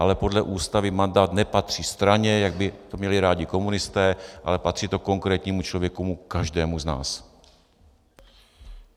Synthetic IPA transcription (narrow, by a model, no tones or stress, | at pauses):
ʔalɛpo̞dlɛʔuːst̪avɪmandaːt̪nɛpat̪r̝̥ist̪ɾaɲɛjaɡ̚bɪt̪o̞mɲɛlɪɾaːɟɪko̞munɪst̪ɛːʔalɛpat̪r̥iːt̪o̞ko̞ŋkɾɛːt̪ɲiːmut͡ʃlovjɛkumukaʒdɛːmuzna̰ːs